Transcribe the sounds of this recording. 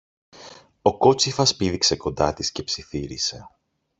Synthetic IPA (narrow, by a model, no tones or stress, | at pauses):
o̞ko̞t͡sifɐspiðikse̞ko̞nd̪ɐt̪isce̞psiθiɾḭse̞